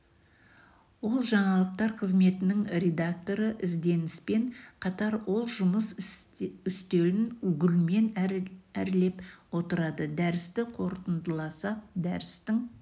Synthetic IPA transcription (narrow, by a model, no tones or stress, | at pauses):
wo̞lˠʒɑɴɑlˠəq̚t̪ɑɾqʰəzme̞t̪ɪnɪŋɾe̞d̪ak̚t̪o̞ɾəʔɪzd̪e̞nɪspe̞ɴqʰɑt̪ɑɾwo̞lˠʒʊməs | ʏst̪e̞ɾɪnʉɡʲɪlme̞næɾle̞pwo̞t̪əɾɑd̪əd̪æɾɪst̪ɪqʰo̞ɾt̪ənd̪əlˠɑsɑq̚d̪æɾɪst̪ɪŋ